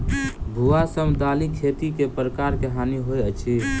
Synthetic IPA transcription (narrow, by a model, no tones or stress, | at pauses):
bʱuasəmd̪alikʰet̪ikepɾəkaɾkeɦaniɦojət͡ʃʰi